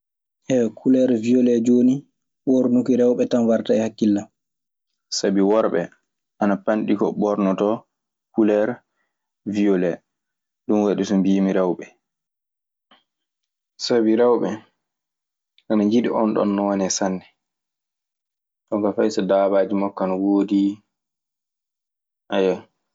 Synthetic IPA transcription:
hɛkʰulɛɾvijɔlɛd͡ʒoːni | wɔɾnukiɾɛwɓɛtanwaɾtaɛhakːilːa | sabiwɔɾɓɛ̰ | ʔanapanɗikɔɓɔɾnɔtɔ | kulɛɾ | vijɔlɛ | ɗunwaɗisɔmbimiɾɛwɓɛ | sabiɾawɓɛ | ʔanaɲd͡ʒiɗiʔɔnɗɔ̰nːɔwɔnɛsanːɛ | ɗɔɡafajsɔdaːbaːd͡ʒimɔkːanwoːdi | ʔaja

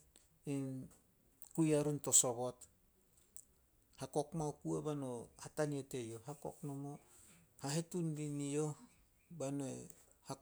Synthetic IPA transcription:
in | kujaɾunto̞so̞βo̞t | hako̞kmawkuebano̞hatanietejoɦako̞̰knomohaɦetunbinijo | banoe | ha

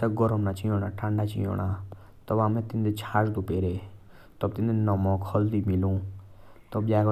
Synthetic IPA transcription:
aɡɔɾɔmnat͡ʃijõːnaʈʰãːɳɖat͡ʃḭjõ̰na | t̪ɔbamẽt̪ĩnd̪et͡ʃʰaːɾd̪upeːɾe | t̪ɔb̚t̪ĩnd̪enɔmɔkhɔld̪imilũ | t̪ɔbjak

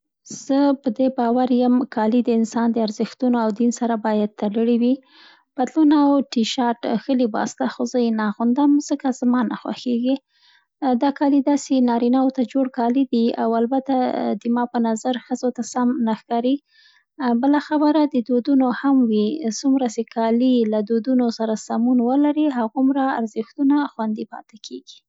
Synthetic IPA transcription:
z̥əpəd̪ebɑwaɾjəmkʰɑlid̪əɪnsɑnd̪əaɾzəxt̪unoawd̪insaɾabɑjad̪̚t̪aləɽiwi | b̥ad̪lunawʈiʃɑʈxəlibɑ̰st̪axozəjenɑɣʊnd̪əmz̥əkazmɑnaxwa̰xeɡi | d̪ɑkɑlid̪ɑsenɑɾinawot̪ad͡ʒoɽkɑlid̪ia̰walbat̪ad̪əmɑpənazaɾxəzot̪asamnaxkɑɾi | bəlaxabəɾad̪əd̪od̪unohamwisumɾasekʰɑlilad̪od̪unosaɾasamunwəlaɾiɦaɣumɾaːɾzəxt̪unaxwand̪ipɑ̰t̪ɪkʰeɡi̥

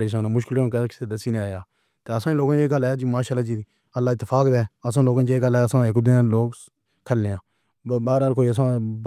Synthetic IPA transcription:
ɽeːs̬aːnãːmʊʃkɪlːkəkseːd̪əsiːneaːjaː | t̪eːəsãːloːɡãeːɡəlaːjaːd͡ʒiːmaːʃaːlːaːd͡ʒiːi | əlːaːɪt̪ːɪfʰaːkd̪eːəs̬ãːloːɡãːeːɡəlɛːəsãːekʊd̪ẽːloːɡ | kʰəlːeːãː | baːɾaːlkoːiːəsãː

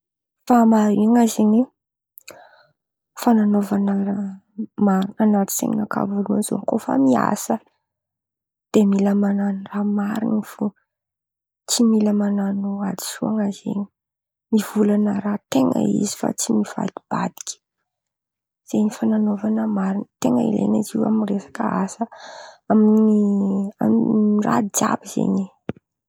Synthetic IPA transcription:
famaɾiŋazeɲe | fananovanəa | mananat̪i̥sḛɲḭnaka̰vvoluanzo̰ŋkofa̰mia̰sə | d̪̥emiləmananramaɾinifu | t͡similəmananoad̪i̥suaŋazḛɲi | mivulanəɾat̪eŋə̰ḭzi̥fa̰t͡simiv̥a̰lib̥ad̪i̥kʲi̥ | z̥eɲifananovanəmaɾint̪eŋəḭlḛɲiziwa̰minresḁkəasəaminiara̰id͡ʒa̰biz̥ḛɲi

